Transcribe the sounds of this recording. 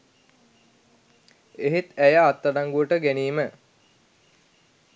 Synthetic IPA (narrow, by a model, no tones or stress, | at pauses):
eɦet̪æjaːt̪ːadaŋɡuəʈəɡæniːmə